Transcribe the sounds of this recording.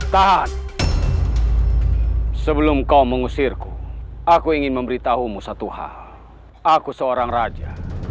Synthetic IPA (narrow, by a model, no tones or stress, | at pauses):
t̪aɦat̪ | səbəlumkauməŋusɪrkuakuiŋɪnməmbəɾit̪aɦumusat̪uha̰l | akusəoɾaŋrad͡ʒa